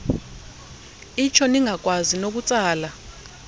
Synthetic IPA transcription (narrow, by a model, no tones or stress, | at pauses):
it͡ʃʰɔniŋak̬ʼwazinok̬ut͡sʼaːla